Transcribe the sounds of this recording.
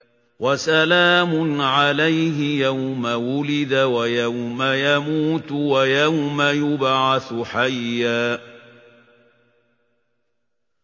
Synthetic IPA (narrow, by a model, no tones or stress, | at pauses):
wʔasalaːmʊnʕalajɦɪjawmawʊlɪd̪awajawmajamuːt̪wajawmajʊbʕaθħajːaː